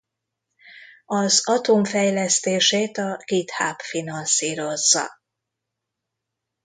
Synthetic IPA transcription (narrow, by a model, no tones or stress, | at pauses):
ɒzɒt̪oːɱfɛjlɛst̪eːʃeːt̪ɒɡ̥it̪haːpfinɒnsiːɾo̞zːɒ̰